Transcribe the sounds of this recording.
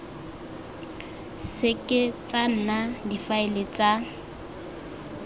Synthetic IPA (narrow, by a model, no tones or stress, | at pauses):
sɪkʼɪt͡sʼan̩nadifaɪlet͡sʼa